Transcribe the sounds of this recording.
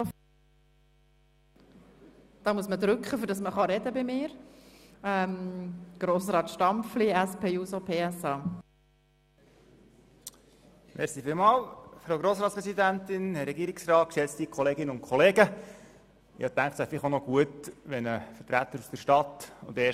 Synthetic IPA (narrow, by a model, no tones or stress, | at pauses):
d̥ɑːmuəsməd̪ɾʏkχəfʏɾd̥ɑsməχɑɾɛdəbɪmɪːɾ | ɛmɡ̥ɾoːsɾɑːt̪ʃtɑmpfliæspʰeːjuːsopʰeːɛsɑː | mʔɛɾsifɪlmɑːlfɾowɡɾoːsɾɑːtt͡sspɾɛsidænt̪ɪnhɛɾɛɡiːəɾɪksɾɑːt̪̚kʃɛt͡st̪ikʰɔleːɡɪnəʊnkʰɔleːɡə | jʔɑ̰t̪æŋkχtsæɪfɪχonɔɡ̥uət̪ʋɛnəfətɾæt̪ːəɾusd̥əʃtɑt̪ʊ̰ndɛː